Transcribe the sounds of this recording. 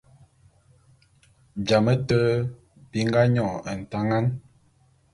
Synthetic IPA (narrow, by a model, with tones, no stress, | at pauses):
bja˨mə˦tə˦ | bi˨˦ŋ˦ɡa˦ɲɔ˦˨ə˨n̩˨ta˦ŋa˦n